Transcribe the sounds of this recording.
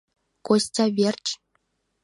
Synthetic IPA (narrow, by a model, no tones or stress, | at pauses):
kosʲtʲɑβʲerʲt͡ɕ